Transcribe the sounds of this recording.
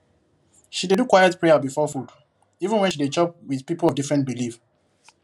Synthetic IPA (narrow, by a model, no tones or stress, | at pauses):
ʃidedukwajɛtpɹɛjabifɔfud | ivə̃nwɛ̃nʃidet͡ʃɔp̚wiðpipolɔvdifɹɛ̃ntbilif